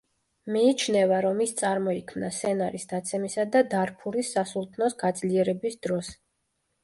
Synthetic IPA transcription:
miːt͡ʃʰnɛvaɾɔmist̪sʼaɾmɔikʰmnasɛnaɾisd̪at̪sʰɛmisad̪ad̪aɾpʰuɾisːasulˠt̪ʰnɔsɡad̪zliɛɾɛbisd̪ɾɔs

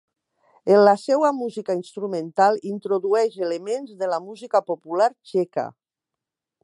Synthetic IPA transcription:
enlasɛwamuzikainst̪ɾumẽnt̪alˠint̪ɾoðuɛʃelemenzðelamuzikapopulaɾt͡ʃɛka̰

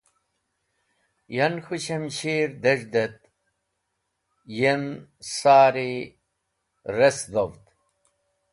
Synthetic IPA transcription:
jɐnxuɕɐmɕiːɾd̪ɐʐd̪et̪̚ | jensaːɾi | ɾesd̪ovt̪

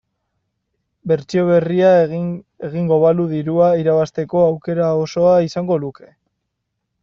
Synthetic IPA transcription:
be̞ɾt͡sio̞β̞e̞ria | e̞ɣiŋɡo̞βaluðiɾuaiɾaβast̪e̞ko̞awke̞ɾao̞so̞aisaŋɡo̞luke̞̥

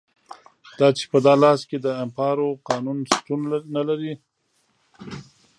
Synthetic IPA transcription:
d̪̥ɑt͡ʃe̥pəd̪ɑlɑsked̪əɪmpɑɾoqɑnunst̪unnalaɾi

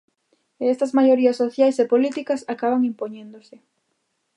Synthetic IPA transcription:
eest̪ɐzmajoɾiɐsːoθjajsepolit̪ikɐsakaβaŋimpoɲẽnd̪osɪ

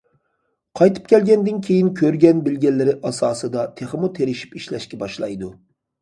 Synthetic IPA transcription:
qʰɑjt̪ʰɨ̥p̚kʲʰɛlɡʲɛnd̪ɪnkʲʰejinkʲʰøɾɡʲɛnbɪlɡʲɛlːɪɾɪʔɑsɑːsɨd̪ɑt̪ʰeχɨmut̪ʰeɾɪʃi̥piʃlɛʃkʲɛbɑʃlˠɑ̰jd̪u

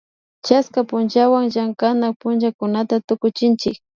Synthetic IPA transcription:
t͡ʃaskapʊnt͡ʃawaŋʒaŋkanak̚pʊnʒakʊnat̪at̪ʊkʊt͡ʃɪnt͡ʃɪk̚

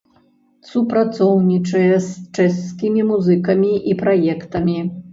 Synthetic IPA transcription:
supɾat̪sɔwnʲit͡ʂɐjɛst͡ʂɛsːkʲimʲimuzɨkɐmʲiʔipɾajɛkt̪ɐmʲi

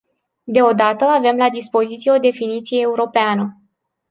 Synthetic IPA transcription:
d̪e̞o̞d̪at̪əave̞mlad̪ispo̞zit̪sije̞o̞d̪e̞finit̪sijeːuɾo̞peanə

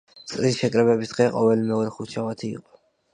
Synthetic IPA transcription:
t̪sʼɾisʃɛkʼɾɛbɛbisd̪̥ʁɛqʼɔvɛlimɛɔɾɛχut͡ʃʰavat̪ʰḭːqʼɔ̥

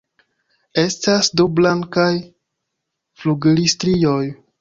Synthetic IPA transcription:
e̞stasdoblaŋkaj | fluɡlistɾijo̞j

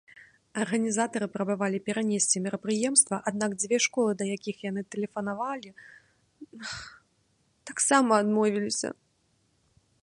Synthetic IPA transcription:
ɐrɣɐnʲizat̪ɐɾɨpɾɐbavalʲipʲɛɾanʲesʲt͡sʲimʲɛɾɐpɾɨjɛmst̪vɐʔad̪̚nakd͡zʲvʲɛʂkɔlˠɨd̪ɐjakʲixjanɨt̪ɛlʲɛfɐnavalʲi | t̪aksamɐːd̪mɔvʲilʲisʲɐ̰

